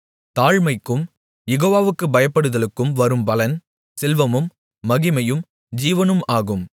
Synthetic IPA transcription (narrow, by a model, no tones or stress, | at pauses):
t̪aːɻmɐɪkːɯm | jɛɣoːʋaːʋɯkːɯbɐjɐpːɐɽɯðɐlɯkːɯmʋɐɾɯmpɐlɐn | sɪlʋɐmɯmː | ɐɣɪmɐjɯm | d͡ʒiːʋɐnɯmaːɣɯm